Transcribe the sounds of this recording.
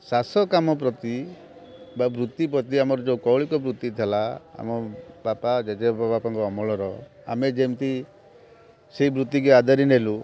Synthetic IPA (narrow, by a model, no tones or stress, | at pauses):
sasɔkamɔp̬ɾɔt̪i | babɾut̪ːip̬ɾɔt̪iamɔɾɔd͡ʒewkɔwɭikɔbɾut̪ːit̪ʰelaa̰mɔbapad͡ʒed͡ʒepapapaŋkɔːmɔɭɔɾɔ | a̰med͡ʒemt̪i | seibɾut̪ːikuad̪aɾinelu